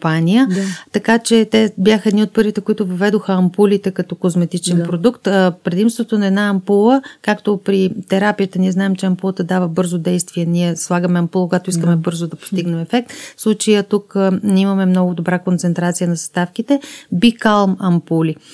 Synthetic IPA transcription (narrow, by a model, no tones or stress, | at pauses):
panijət̪ɐkat͡ʃɛt̪ɛbjaxəɛd̪niot̪̚pɤɾvit̪ɛkoit̪ʊvɐvɛd̪oxəɐmpulit̪ɛkɐt̪ɔkozmɛt̪it͡ʃɛnpɾod̪ukt̪ːpɾɛd̪imst̪vot̪onɐɛd̪naɐmpulˠəkakt̪opɾit̪ɛɾapijət̪əniɛznaɛmt͡ʃɛɐmpulˠət̪ɐd̪avəbɤɾzod̪ɛjst̪viɛniɛslˠaɡəmɛɐmpulˠəkoɡat̪oiskəmɛbɤɾzoʊd̪ɐpo̥st̪iɡnɛmɛfɛk̚t̪fslˠut͡ʃejət̪ukniməmɛmnɔɡʊd̪obɾakont̪sɛnt̪ɾat̪sijənɐzɐst̪afk̟it̪ɛbikalˠmɐmpuli